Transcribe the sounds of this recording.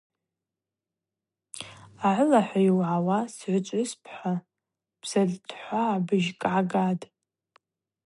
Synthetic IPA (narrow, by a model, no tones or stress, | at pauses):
aʕʷʊlaħʷajiwʕawasʕʷʊt͡ʃʷʼispʰħʷa | b̥z̥altʰħʷaːbɨʒkʼʕaɡadʼ